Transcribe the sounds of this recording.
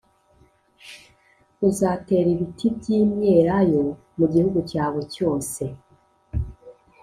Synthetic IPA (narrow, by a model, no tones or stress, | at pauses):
uzaːte̞ːɾiβitʰibjiːmje̞ɾajo̞ | muɟihuɡucaːβoco̞ːse̞